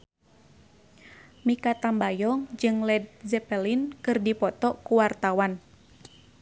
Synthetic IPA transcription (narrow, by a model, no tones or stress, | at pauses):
mikat̪ambajɔŋd͡ʒɨŋlɛd̚zɛpɛlinkɨrdipɔt̪ɔkuwart̪awan